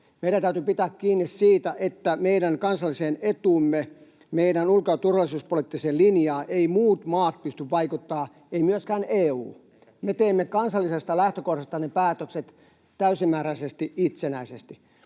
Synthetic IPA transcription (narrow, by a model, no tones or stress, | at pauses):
meit̪æt̪æyt̪ypit̪æːkkiːnːissiːt̪æʔet̪ːæmeiɾæŋkɑnsɑlːiseːnet̪uːmːe | meiɾænulkot̪urʋɑlːˑisuːspoliːt̪ːiseːlinjɑːʔeimuːt̪mɑːt̪̚pyst̪yʋʋɑikut̪ːɑː | eimyøskæːneːṵː | met̪eːmːekɑnsɑlːisest̪ɑlæht̪økohɾɑst̪ɑnepæːt̪økset̪ | t̪æysimːæːɾæisest̪iʔit̪senæisest̪i